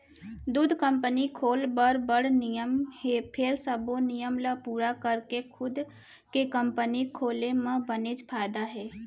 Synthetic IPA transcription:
d̪uːd̪ʱkə̃mpənikʰoːlbəɾbəɽnijəmɦeːpʰɪɾsəbonijəmlapuːɾakəɾkekʰʊd̪ | kekəmpənikʰoːlemãbənet͡ʃpʰaːɪd̪aɦɛː

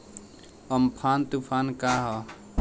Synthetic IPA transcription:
əmpʰaːnt̪upʰaːnkaɦɔ

